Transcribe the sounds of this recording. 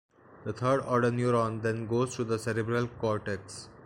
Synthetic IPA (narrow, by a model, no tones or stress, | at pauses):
d̪ət̪ʰəːɾɖɔːɾɖəɾnjuːɾɔ̃nd̪ɛ̃nɡoːzʈud̪əsɛɾɪbɾəlkɔːɾʈeks